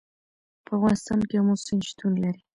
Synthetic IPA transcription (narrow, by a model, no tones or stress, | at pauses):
pəavɣɑnɪst̪ɑnkemʊsɪnʃt̪unlaɾi